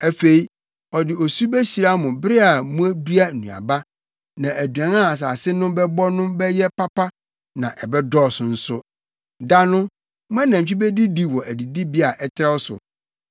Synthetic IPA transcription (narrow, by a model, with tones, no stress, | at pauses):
æ˨fe˨i˦ | ɔ˨dɪ˨ɔ˨su˦bæ˦ɕi˨ɾa˦mʊ̃˨bɾɪ˦a˨mũ˦æ˦bi˦a˦n̩ː˨ũ˨a̰˨ba˦ | nã˨ʔæ˨dɥã˨nã˦a˨s̬a˨sɪ˦nʊ̃˦bɛ˦bɔ˦nʊ̃˦bɛ˦jɛ˦pa˦pʰa˦ | nã˨ʔɛ˨bɛ˦dɔ˦˨sʊ˨n̩˦sʊ˦ | da˦nʊ̃˦ | mʊ̃˦æ˦nã˨m˨t͡ɕᶣi˦bɛ˦di˦di˦wɔ˨ʔæ˨di˨di˦bi˦a˨ʔɛ˦tʰɾa˦wɔ˦sʊ̰˨